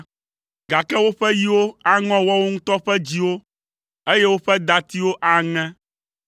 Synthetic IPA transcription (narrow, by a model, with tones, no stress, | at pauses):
ɡa˨kɛ˦wo˦ɸɛ˦ji˦wo˦a˦ŋɔ̃˦wɔ˦wo˦ŋũ˦t̪ɔ˦ɸɛ˦d͡ʑi˦wo˦ | e˦je˦wo˦ɸɛ˦d̪a˨t̪i˦wo˦ʔa˨ŋɛ̃˦